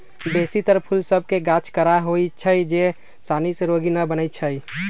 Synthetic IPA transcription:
besit̪əɾpʰulsəb̚ʱkeɡat͡ʃʰkəɾaɦojt͡ʃʰəjd͡ʒe | saniseɾoɡinəbənəjt̪̚t͡ʃʰəj

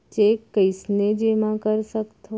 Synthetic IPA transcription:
t͡ʃekːəjsned͡ʒemãkəɾʃəkt̪ʰo

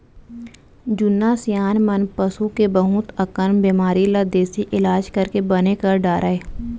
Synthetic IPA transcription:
d͡ʒʊnːaːsijaːnmənpəsukebəɦʊt̪əkəɾmbeːmaːɾilad̪eːsiʔɪlaːd͡ʒkəɾkebənekəɾɖaːɾʔaeː

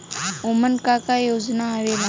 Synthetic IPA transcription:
omənkaːkajoːznaəʋela

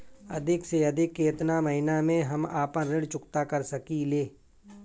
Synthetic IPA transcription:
ɐ̰d̪ʱɪkseɐd̪ʱɪkːeːt̪namɐɦɪnamẽɦɐmaːpənɾɪɽt͡ʃʊkt̪akɐɾsɐkileː

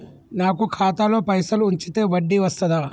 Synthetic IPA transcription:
naːkukʰaːt̪alo̞ːpɐjsɐluuɲt͡ʃit̪e̞ːʋɐɖːiʋɐst̪ɐd̪aː

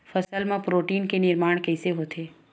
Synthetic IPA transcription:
fəsəlmãpɾoːʈiːnkenɪɾmaːɽ̃kɛːseɦoːt̪ʰeː

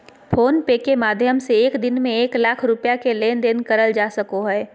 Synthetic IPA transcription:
pʰoːnpeːkemaːd̪ʱjəmseeːkd̪ɪnmẽeːklaːkʰɾʊpjakeleːnd̪eːnkəɾəld͡ʒaːsɐkoɦɛː

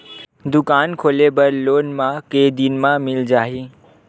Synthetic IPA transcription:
d̪ʊkaːnkʰoːlebəɾloːnmãked̪inmãmɪld͡ʒaːɦi

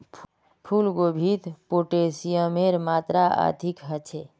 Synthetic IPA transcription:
pʰulɡobʱit̪poʈesijəmeɾmaːt̪ɾaa̰t̪ikɦət͡ʃʰe

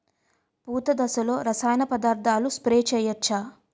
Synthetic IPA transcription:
puːt̪ɐd̪ɐsɐlo̞ːɾɐsaːjnɐpɐd̪aːɾd̪ʱaːluspɾeːt͡ʃɛːjɐt͡ʃːaː

